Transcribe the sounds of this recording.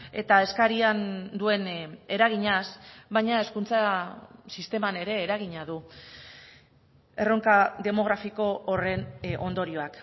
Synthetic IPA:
e̞t̪ae̞skaɾiand̪ue̞ne̞ɾaɣ̞iɲasβaɲae̞skunt͡sasist̪e̞mane̞ɾe̞ːɾaɣ̞iɲaðu | e̞ro̞ŋkaðe̞mo̞ɣ̞ɾafiko̞ːre̞nʔo̞nd̪o̞ɾio̞ak

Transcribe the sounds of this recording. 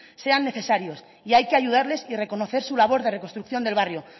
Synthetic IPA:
se̞anːe̞θe̞saɾjo̞s | iajkeaʝuð̞aɾle̞sire̞ko̞no̞θe̞ɾsulaβ̞o̞ɾðere̞kost̪ɾukθjo̞nd̪e̞lβarjo

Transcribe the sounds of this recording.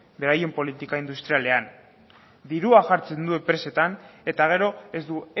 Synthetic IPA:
be̞ɾaje̞mpo̞lit̪ikaind̪ust̪ɾiale̞an | d̪iɾuaʝaɾt͡se̞nd̪uempɾe̞se̞t̪ane̞t̪aɣ̞e̞ɾo̞ezd̪u

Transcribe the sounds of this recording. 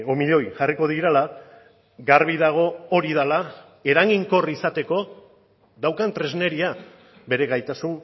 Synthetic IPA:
o̞miʎo̞jʝariko̞ðiɾala | ɡarβiðaɣ̞o̞oɾiðala | e̞ɾaŋɣiŋko̞risat̪e̞ko̞ | ðawkant̪ɾe̞zne̞ɾia | be̞ɾe̞ɣajt̪asun

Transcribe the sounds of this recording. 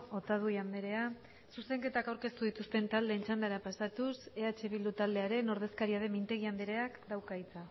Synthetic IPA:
o̞t̪að̞uiand̪eɾe̞a | suse̞ŋke̞t̪akawɾke̞st̪uð̞it̪ust̪e̞nt̪ald̪e̞ːnt͡ʃand̪aɾapasat̪use̞at͡ʃe̞β̞ild̪ut̪ald̪e̞aɾe̞no̞ɾð̞e̞skaɾiað̞e̞mint̪e̞ɣ̞iand̪eɾe̞akd̪awkajt͡sa

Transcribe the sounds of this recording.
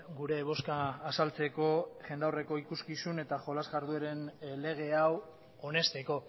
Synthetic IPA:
ɡuɾe̞β̞o̞skaːsalt͡se̞ko̞ʝe̞nd̪awre̞ko̞ikuskisune̞t̪aʝo̞lazɣaɾðueɾe̞nle̞ɣ̞e̞aw | one̞st̪e̞ko̞

